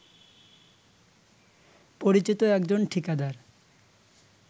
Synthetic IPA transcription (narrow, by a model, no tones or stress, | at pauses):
poɾit͡ɕit̪oɛkd͡ʑonʈʰikad̪aɾ